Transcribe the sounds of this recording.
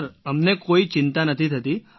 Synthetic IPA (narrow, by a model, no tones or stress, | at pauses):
ɾəmnekoit͡ʃɪnt̪anət̪ʰit̪ʰət̪i